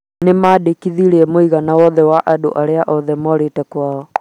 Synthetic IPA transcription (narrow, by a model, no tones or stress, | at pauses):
nemaːdekiðiɾeɛmoiɣanawɔðɛwaʔado̰ʔaɾeaʔɔðɛmɔɾetɛkwaːɔ